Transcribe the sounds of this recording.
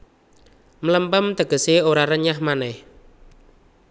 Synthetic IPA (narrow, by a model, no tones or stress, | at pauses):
mləmbəmt̪əkəseʔoɾaɾəɲahmanɛh